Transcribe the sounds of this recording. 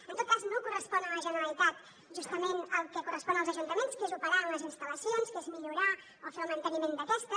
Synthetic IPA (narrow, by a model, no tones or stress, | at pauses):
ənt̪ot̪̚kaznokurəspɔnələʒənəɾəlit̪at̪ | ʒust̪əmenəlˠkɛkurəspɔnəlˠzəʒunt̪əmenskezupəɾaəmləzinst̪ələsionskezmiʎuɾa | ofeəlˠmənt̪ənimend̪əkɛst̪ə